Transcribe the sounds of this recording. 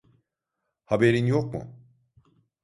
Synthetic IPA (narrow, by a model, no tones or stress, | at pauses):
habeɾinjo̞k̚mṵ